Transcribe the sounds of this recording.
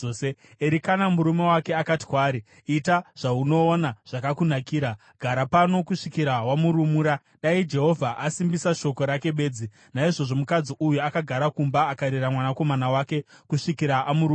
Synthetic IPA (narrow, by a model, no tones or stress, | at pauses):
se | eɾikanamuɾume̞wake̞akati̥kwaːɾi | itaʐ̥auno̞ːnaʐ̥akakunakiːɾa | ɡ̥ʱaɾapano̞kuʂikiɾawamuɾumuːɾa | ɗaid͡ʒe̞ɦo̞vʱaʔasimbisaʃo̞ko̞ɾake̞ɓe̞ːd͡zi | naiʐo̞ʐo̞mukad͡ziʔujuakaɡʱaɾakumbaːkaɾiramwanako̞manawake̞kuʂikiɾaʔamuɾu